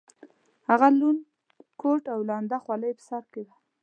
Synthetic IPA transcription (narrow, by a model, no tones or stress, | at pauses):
haɣalun | koʈawlɑnd̪axwɑləjpə̥saɾked̪a